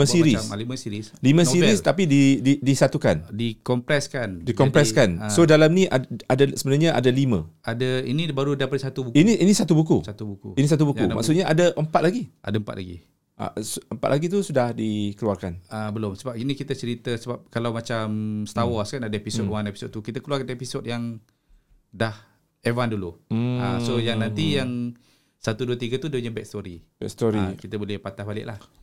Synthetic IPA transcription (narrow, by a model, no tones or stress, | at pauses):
əsiɾiliməsiɾislimə̃ssiɾist̪apidididisat̪ukandikɔmpɾɛskandikɔmpɾɛskanssodalamniʔaadasəbənaɲaʔa̰dalimə̰̃adainibaɾudapadsat̪ubukiniʔinisat̪ubukusat̪ubukuinis̬at̪̬ubukuma̰ʔksut̪̚ɲaʔadaʔəmpat̪̚laɡiʔa̰dəəmpa̰t̪la̰ɡḭ | ʔa̰suəmpat̪̚laɡit̪̬usudahdikəluarkanəbəlʊmsəbap̚inikit̪ət͡ʃəɾit̪əsəbap̚kalawmat͡ʃamst̪awɔskanadəepisotwanepi̥sod̪̚t̪ukit̪əkəluarkat̪əepisod̚jaŋ | dah | evanduluasojaŋnãnt̪ijaŋ | sat̪uduət̪iɡət̪udeɲəbɛk̚st̪oɾibɛ̰kst̪ɔɾikit̪əbolɛhpat̪ahbalɪ̰ʔlah